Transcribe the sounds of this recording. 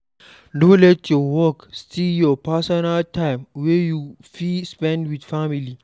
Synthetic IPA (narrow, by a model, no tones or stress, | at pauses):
dõlɛtʰjɔwɔkstʰijɔpasɔnaltʰãɪmwɛju | filspɛ̃ndwidfamili